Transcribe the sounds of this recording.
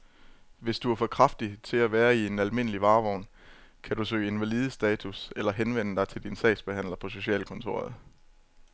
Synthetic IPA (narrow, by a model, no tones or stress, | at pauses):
ʋe̝sd̥uæɐfɒ̽kʰʁɑfd̥it͡sʰe̝læʋæːɐie̝nælme̝n̰əliʋɑ̈ːʋɒʊ̰n | kʰæd̥ɾusø̰ːe̝nʋæliːð̞ˠəsd̥ɛːt͡sʰuselɐɦenʋen̰əd̥ɑ̈ɪt͡sʰe̝ld̥insɛ̰ɪ̥sb̥e̝hæn̰lɐpʰɒ̽so̝ɕɛ̰ːlkʰɔ̽nt͡sʰo̝̰ːɐð̩ˠ